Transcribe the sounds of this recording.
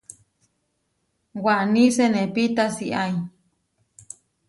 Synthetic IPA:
waʔnĩsenẽpit̪asiʔai

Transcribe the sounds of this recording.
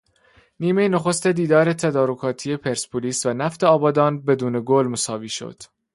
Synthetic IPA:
niːme̞jenoxo̞st̪e̞d̪iːd̪ɒːɾet̪ʰæd̪ɒːɾokʰɒːt̪ʰiːje̞pʰe̞ɾspʰoliːsvænæft̪ʰeɒːbɒːd̪ɒːnbe̞d̪uːne̞ɡolmosɒːviːʃo̞̰d̪̥

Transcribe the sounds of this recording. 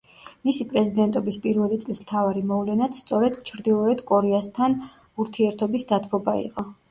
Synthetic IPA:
misipʼɾɛzid̪ɛnt̪ʼɔbispʼiɾvɛlit̪sʼlismt̪ʰavaɾimɔvlɛnat̪st̪sʼɔɾɛd̪̥t͡ʃʰɾd̪ilˠɔɛd̪kʼɔɾɛast̪ʰan | uɾt̪ʰiɛɾt̪ʰɔbisd̪at̪ʰpʰɔbaḭqʼɔ

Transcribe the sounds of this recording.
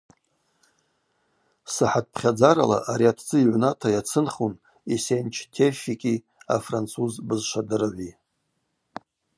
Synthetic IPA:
sɨħat̚ʰʼpʰχʲad͡zaɾala̰ʔaɾiatʰd͡zɨiʕʷnatʰajat͡sʰɨnχun | isent͡ʃʰtʰefikʲʼi | afrant͡sʰuzbɨzʃʷadɨrʕʷi

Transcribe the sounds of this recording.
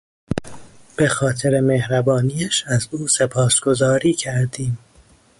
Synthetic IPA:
b̥e̞xɒːt̪ʰeɾe̞me̞hɾæbɒːnijæʃæzuːsepʰɒːsɡ̥o̞zɒːɾiːcʰæɾd̪iːm

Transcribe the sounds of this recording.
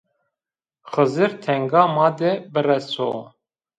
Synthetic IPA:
xɨzɨɾt̪ʰɛŋɡɑːmɑːd̪ɛbɨrɛso̰ː

